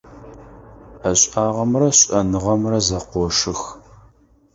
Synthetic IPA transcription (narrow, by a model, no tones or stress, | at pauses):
ɐɕʼaːʁɐmrɐɕʼɐnɨʁɐmrɐzɐqʷɔʂɨx